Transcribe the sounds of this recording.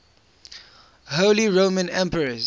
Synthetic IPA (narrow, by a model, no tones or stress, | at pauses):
hoʊliɹõːmə̃nɛ̃mpəɹəz